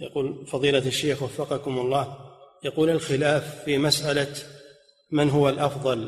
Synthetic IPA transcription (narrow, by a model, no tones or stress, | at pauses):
jaquːlfɑðˤiːlaaʃːeːxwafːɑqɑkʊmʊlˤːɑːjɑquːlalxɪlaːfːiːmasʔala | manɦʊwalʔɑfðˤɑl